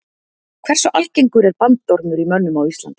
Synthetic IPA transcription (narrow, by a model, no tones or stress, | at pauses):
kʰvɛr̥sɔʔalcejŋkʏɾɛɾpantt̪ɔɾmʏɾimœnːʏmawist̪la̰nt̪